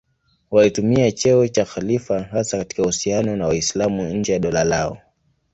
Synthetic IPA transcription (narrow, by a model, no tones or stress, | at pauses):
walitumiat͡ʃɛɔt͡ʃaxalifaɦasakati̥kahusianɔnawaislamuɲ̩d͡ʒɛjaɗɔlalaɔ̰